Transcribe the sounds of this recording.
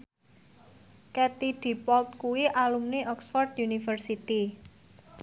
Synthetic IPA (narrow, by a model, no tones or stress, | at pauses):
kɛt̪iɖ̪̥i̤pɔlt̪̚kuwiʔalumneʔɔksfɔrd̪junifərsit̪i